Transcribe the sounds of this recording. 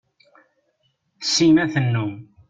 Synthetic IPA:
sːimæθənːum

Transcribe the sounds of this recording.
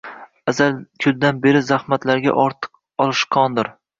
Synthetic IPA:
azalkʲʰʊld̪anbe̞ɾɪzahmat̪laɾɡʲa̰ʔɒɾt̪ʰɨ̥q | ɒlˠɪʃqʰɒnd̪ɪɾ

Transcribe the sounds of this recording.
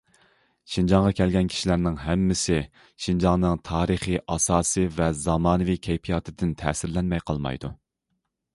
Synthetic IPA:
ʃind͡ʒɑŋʁɑkʲʰɛlɡʲɛnkʲʰi̥ʃilæɾnɪŋɦɛmːɪsɪ | ʃind͡ʒɑŋnɨŋt̪ʰɑːɾɨχiʔɑsɑːsɨvɛzɑmɑːnɨvikʲʰɛjpʰijɑt̪ʰɨd̪ɪnt̪ʰɛ̰ːsɪɾlɛnmɛjqʰɑlˠmɑ̰jd̪u

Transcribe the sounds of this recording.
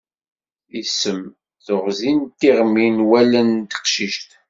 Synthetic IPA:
isːəm | θoʁzint̪ːiʁmːinwælənt̪ə̥qʃiʃt̪

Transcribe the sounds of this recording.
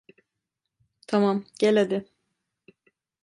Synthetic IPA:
t̪ʰamamɟelʲed̪ɪ

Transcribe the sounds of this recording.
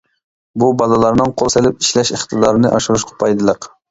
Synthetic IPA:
bubɑlˠɨlˠɑɾnɨŋqʰolˠselɪpiʃlɛʃeχt̪ʰɨd̪ɑɾɨnɨʔɑʃuɾuʃqʰɑ̥pʰɑjd̪ɨlˠəq

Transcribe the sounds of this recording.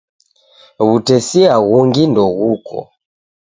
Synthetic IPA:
βutɛsiaɣuŋɡindɔɣukʰɔ̰

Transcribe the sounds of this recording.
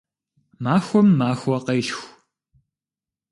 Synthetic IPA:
maːxʷɔmːaːxʷɔqɐjɬxʷ

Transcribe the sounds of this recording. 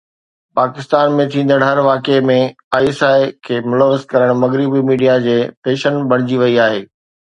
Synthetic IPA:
paːkɪst̪aːnmẽt̪ʰĩːn̆d̪əɽɦɐɾʋaːkemẽ | aːiesaːɪkʰeːmʊləʋːəzkɐɾəɽ̃mɐɣɾɪbimiːɖijad͡ʑeːt̪eːʃənbʱɐɽ̃ɪd͡ʑiʋɐiaːɦeː

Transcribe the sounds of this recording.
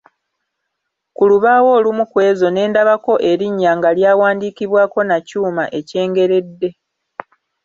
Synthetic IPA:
kuluβaːwo̞ːlumukwe̞ːzo̞ne̞ːndaβako̞ʔe̞ɾiɲːaːŋɡaljaːwaːndiːkiβwaːko̞nacuːmaʔe̞ce̞ːŋɡe̞ɾe̞dːe̞

